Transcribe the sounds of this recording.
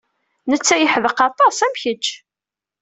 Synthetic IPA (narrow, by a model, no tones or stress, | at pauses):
nət͡sːæjəħəðəqɑt̪ˤɑsæmçət͡ʃː